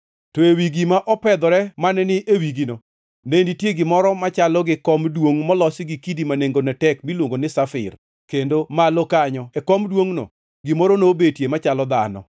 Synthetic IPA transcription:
toewiɡimaʔɔpɛd̪ɔɾɛmanɛnɪʔewiɡino | nenditjeɡɪmɔɾɔmat͡ʃalɔɡɪkɔmdwoŋmɔlɔsɪɡikidimaneŋɡonɛtɛkmilwoŋɡonɪsafɪ̰r | kendomalokaɲɔekɔmdwoŋno̰ | ɡɪmoɾonobetjemat͡ʃalɔd̪anɔ̰

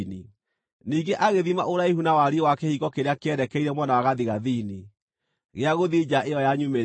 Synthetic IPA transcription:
ni | niːɡeʔaɣeðimaʔoɾaehunawaɾiewakɛhiɣɔkeɾeakeɛɾɛkɛiɾɛmwanawaɣaðiɣaðini | ɣeaɣoðid͡ʒaʔejɔjaɲume

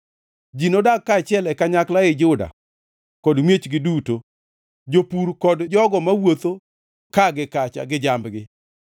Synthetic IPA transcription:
d͡ʒinodakːaːt͡ʃɪɛlɛkaɲaklaɪd͡ʒʊda̰ | kɔdmjet͡ʃɡɪduto | d͡ʒopuɾkɔdd͡ʒɔɡɔmawot̪o | kaɡɪkat͡ʃa̰ɡɪd͡ʒambɡɪ

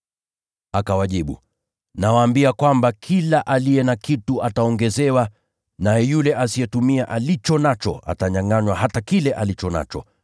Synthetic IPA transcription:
akawaʄiɓṵ | nawaːmbiakwambakʰilaʔalijɛnakituataɔŋɡɛzɛwa | najɛjulɛʔasiɛtumiaʔalit͡ʃɔnat͡ʃɔ̰ʔa̰taɲaŋaɲwaɦatakilɛʔalit͡ʃɔna̰t͡ʃɔ

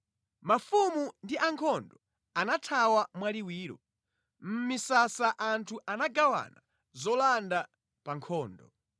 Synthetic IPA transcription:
mafumundiʔaŋkʰɔndɔ | anatʰawamwaliwiːɾɔ̰ | m̩misasaʔantʰuʔanaɡawa̰na | zɔlanda | paŋkʰɔːndɔ

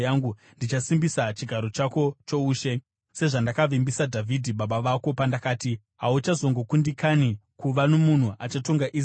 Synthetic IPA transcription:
aŋɡu | ndit͡ʃasimbisat͡ʃiɡʱaɾo̞t͡ʃako̞t͡ʃo̞uːʃe̞ | se̞ʐandakaʋimbisadʱavʱidʱiɓaɓaʋako̞pandakaːti | ɦaut͡ʃazo̞ŋɡo̞kundikanikuʋano̞mun̤uʔat͡ʃato̞ŋɡaʔi

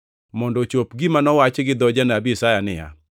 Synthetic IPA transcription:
mɔndɔt͡ʃopɡimanɔwat͡ʃɡɪd̪ɔd͡ʒanabiisajanɪ̰ja̰

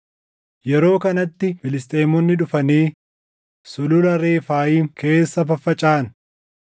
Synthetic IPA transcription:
jɛɾo̞ːkɐnɐt̪ːɪfɪlɪst̪ʼeːmɔnːɪᶑʊfɐniː | sʊlʊlɐɾeːfaːjiːŋkʰe̞ːsːɐfɐfːɐt͡ʃʼaːn

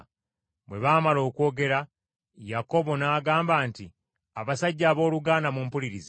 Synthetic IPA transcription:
mwe̞βaːmalo̞ːkwo̞ːɡe̞ɾa | jako̞βo̞naːɡaːmbaːnti | aβasaɟːaːβo̞ːluɡaːnamumpuliɾize

